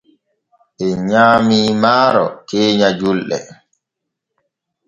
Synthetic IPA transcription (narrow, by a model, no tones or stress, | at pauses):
ʔɛɲaːmiːmaːɾɔ̰keːɲad͡ʒulɗɛ̰